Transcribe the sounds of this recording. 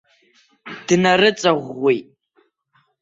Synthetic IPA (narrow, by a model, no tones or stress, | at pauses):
d̥narɨt͡sʼaʁʷːejtʼ